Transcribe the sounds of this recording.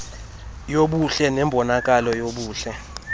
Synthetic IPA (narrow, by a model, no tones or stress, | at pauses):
joɓuɬɛnɛmbʱɔnak̬ʼalɔjoɓuːɬɛ